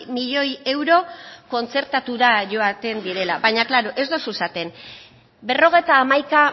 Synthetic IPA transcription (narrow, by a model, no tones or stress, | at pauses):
miʎo̞je̞wɾo̞ko̞nt͡se̞ɾt̪at̪uɾaʝo̞at̪e̞nd̪iɾe̞laβajɲaklaɾo̞ʔe̞zd̪o̞susat̪e̞n | be̞ro̞ɣ̞e̞jt̪aːmajka